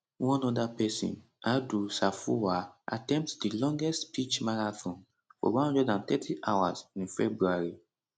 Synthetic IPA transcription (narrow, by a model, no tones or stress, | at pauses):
wɔ̃nɔdapɛsḭ̃n | adusafuwaa̰tɛ̃mp̚tdilɔ̃ŋɡɛstpit͡ʃmaɹaθɔ̃n | fɔ̰wɔ̃hɔ̃ndɛdãnt̪ɛtʰiʔawa̰zĩnfɛbɹuaɹi